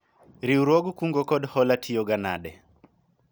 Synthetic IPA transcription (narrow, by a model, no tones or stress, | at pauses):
ɾiuɾɔɡukuŋɡɔkɔdhɔlatʰiɔɡana̰ɗɛ